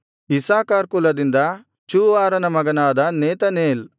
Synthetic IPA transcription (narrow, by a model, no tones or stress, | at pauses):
isaːkaːɾkulɐd̪ind̪ɐ | t͡ʃuːʋaːɾɐnɐmɐɡɐnaːd̪ɐneːt̪ɐneːl